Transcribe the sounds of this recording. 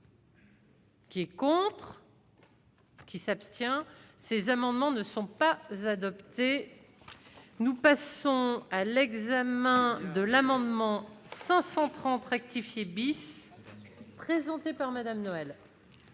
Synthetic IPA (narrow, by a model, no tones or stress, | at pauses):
kʲiɛkɔ̃t̪χ | kʲisapst̪jɛ̃sezamɑ̃d̪mɑ̃nəsɔ̃pazad̪ɔpt̪e | nupasɔ̃alɛɡzamɛ̃d̪əlamɑ̃d̪mɑ̃sɛ̃sɑ̃t̪χɑ̃t̪ʁɛk̚t̪ifjebis | pχezɑ̃t̪epaʁmad̪amnɔɛl